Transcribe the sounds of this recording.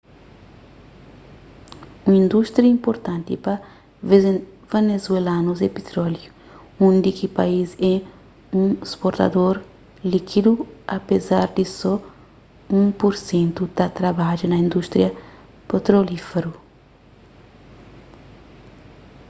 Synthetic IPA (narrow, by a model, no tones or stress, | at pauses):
ũŋĩnd̪ust̪ɾiɐĩmpoɾt̪ãnt̪ipɐ | venezuelanuzepet̪ɾɔlju | ũnd̪ikipaizɛ | ũespoɾt̪ɐ̰d̪oɾ | likʰid̪uɐpezaɾd̪isɔ | ũŋpoɾsẽnt̪ut̪at̪ɾabaʒunɐĩnd̪ust̪ɾjɐ | pet̪ɾolifeɾu